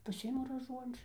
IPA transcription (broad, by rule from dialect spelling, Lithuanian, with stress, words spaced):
pɐˈsʲɪɪmʊ rɐˈʒuɔnʲt͡ʃʲʊ